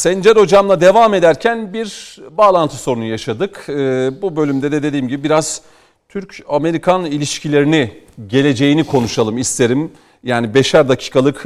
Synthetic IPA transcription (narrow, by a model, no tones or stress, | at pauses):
sɛnd͡ʒɛɾo̞d͡ʒamlˠad̪e̞vame̞d̪æɾcʰænbiɾbaːlˠant̪ʰɯ̥soɾunujaʃad̪ɯkɯːbubø̞lʲymd̪ɛd̪ed̪e̞d̪iːmɟibibiɾaz̥ | t̪ʰyɾcame̞ɾikʰanilʲiʃcʰilʲe̞ɾiniɟe̞lʲe̞d͡ʒe̞jinikʰo̞nuʃalˠɯmist̪ʰe̞ɾim | jaːnibe̞ʃæɾd̪acʰi̥ːkʰalˠɯk